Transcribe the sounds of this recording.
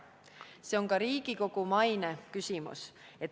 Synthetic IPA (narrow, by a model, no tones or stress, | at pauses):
se̞o̞ŋkɑɾiːɡ̥iko̞ɡ̥umɑjne̞kysimṵse̞t̪ː